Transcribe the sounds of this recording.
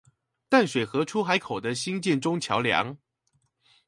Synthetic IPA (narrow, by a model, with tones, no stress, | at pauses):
t̪a˥˩nʂwe˨˩ɪxɤ˧˥ʈ͡ʂʰu˥xa˧˥ɪkʰo˨˩ʊd̪ə˦ɕi˥nt͡ɕjɛ˥˩˨nʈ͡ʂʊ˥ŋt͡ɕʰjɑ˧˥ʊljɑ̰˧˥˦ŋ